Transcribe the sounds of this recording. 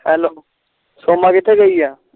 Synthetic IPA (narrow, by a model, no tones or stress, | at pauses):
hɛːloː | soːmakɪt̪ʰːeɡəiɛː